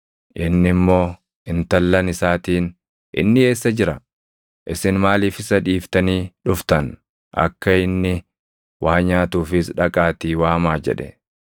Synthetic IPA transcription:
ʔɪnːɪmːo̞ː | ɪnt̪ɐlːɐnɪsaːt̪iːn | ʔɪ̰nːɪe̞ːsːɐd͡ʒɪɾɐ | ʔɪsɪnmaːliːfɪsɐᶑiːft̪ɐniːᶑʊft̪ɐn | ʔɐ̰kːɐɪnːɪ | wʔaːɲaːt̪uːfɪsᶑɐkʼaːt̪iːwaːmaːd͡ʒɛ̰ᶑɛ

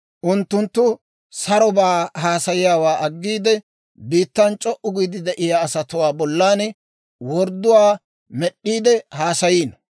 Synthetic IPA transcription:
ʔʊnt̪ːʊnt̪ːʊ | sɐɾɔbaːɦaːsɐjɪjaːwaːʔɐɡːiːd̪ɛ | biːt̪ːɐnt͡ʃʼɔʔʊɡiːd̪ɪd̪ɛʔɪjaːsɐt̪ʊwaːbɔlːaːn | wɔɾd̪ːʊwaː | mɛɗʔːiːd̪ɛhaːsɐjiːn

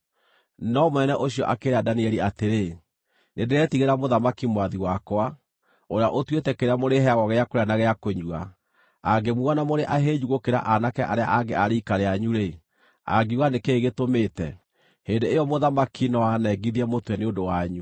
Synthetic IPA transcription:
nɔmwɛnɛʔoɕiɔ̰ʔakeɾeadaniɛɾiateɾe | nendeɾɛtiɣeɾamoðamakimwaðiwakwa | oɾeaʔotwetɛkeɾeamoɾeɦɛaɣɔɣɛakoɾeanaɣɛakoɲua̰ | aɡemuanamoɾeʔaɦed͡ʑuɣokeɾa̰ʔanakɛʔaɾea̰ʔaɡeʔaɾikaɾeaɲuɾe | a̰ɡiwanekeːɣetomeːtɛ | heːndeejɔmoðamakʰinɔanɛɡiðiɛmotwɛneondowaɲu

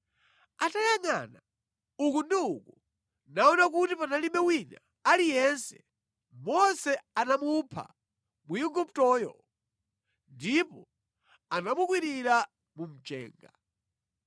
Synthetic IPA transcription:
atajaŋa̰na | ukundiuku | naɔnak̬utipanalimɛwina̰ | alijɛnsɛ̥̰ | mɔsɛanamupʰa̰ | muiɡup̚tɔːjɔ̰ | ndipɔ | anamukwiɾiɾa | mum̩t͡ʃɛ̰ːŋɡa

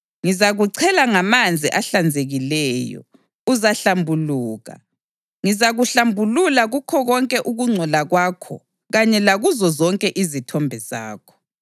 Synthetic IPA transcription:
ŋizaɣuǀʰɛlaŋamand͡zʱiʔaɬand͡zʱeɣilɛjɔ̰ | uzaɬambʱuluːɣa̰ | ŋizaɣuɬambʱululaɣukʰɔɣɔŋkʼɛʔuɣuŋ͡ǀʱɔlaɣwakʰɔ̰ | ɣaɲɛlaɣuzɔzɔŋkʼɛʔizitʰɔmbʱɛza̰ːkʰɔ̥

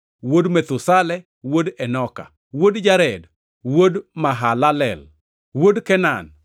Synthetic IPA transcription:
wodmet̪ʊsalɛ | wodɛnɔka̰ | wodd͡ʒaɾɛd | wodmaɦalalɛ̰l | wodkɛnan

